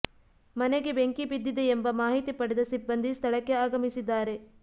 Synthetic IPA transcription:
mɐneɡe̞beŋkibid̪ːid̪eːmbɐmaːɦit̪ipɐɽed̪ɐsibːɐnd̪ist̪ʰɐɭɐkːe̞aːɡɐmisid̪ːaːɾe̞

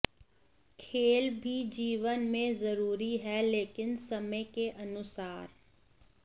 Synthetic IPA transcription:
kʰeːlbʱid͡ʒiːʋənmẽzɐɾuːɾiɦɛleːkɪnsɐmekeʔɐnʊsaːɾ

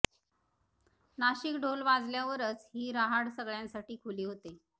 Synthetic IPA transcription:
naɕikɖʱolʋad͡zljaʋəɾət͡shiːɾaɦaɽsəɡɭjãnsaʈiːkʰuliːɦot̪e

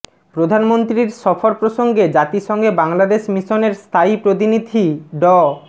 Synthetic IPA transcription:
pɾod̪ʱanmont̪ɾiɾʃɔfoɾpɾoʃoŋɡed͡ʑat̪iʃɔŋɡebaŋlad̪eʃmiʃoneɾst̪ʰaipɾot̪̬inid̪ʱiɖɔ

